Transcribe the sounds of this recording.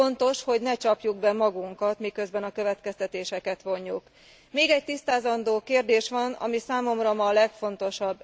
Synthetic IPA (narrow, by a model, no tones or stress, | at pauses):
o̞nt̪o̞ʃho̞ɟnɛt͡ʃɒpjuɡbɛmɒɡuŋkɒt̪mikø̞zbɛnɒkøvɛt̪kɛst̪ɛt̪eːʃɛkɛt̪ʋo̞ɲːuk | meːɡɛc̚t̪ist̪aːzɒnd̪oːkeːrd̪eːʃʋɒnɒ̰misaːmo̞mrɒmɒlɛkfo̞nt̪o̞ʃɒbː